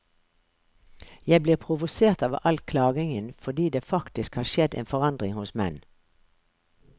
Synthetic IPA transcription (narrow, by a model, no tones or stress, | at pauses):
jæɪbliːʁpʰʁʊʋʊseːʁt̪ɑːʋʔɑlkʰlɑːɡɪŋənfɔʁd̪iːd̪eːfɑkt̪ɪskhɑːʃɛd̪ḛːnfɔʁɑnd̪ʁɪŋhʊsmɛ̰n